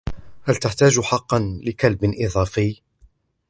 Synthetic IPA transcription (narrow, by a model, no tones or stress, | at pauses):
halt̪aħt̪aːd͡ʒħɑqːɑnlɪkalbɪnʔɪðˤɑːfɪː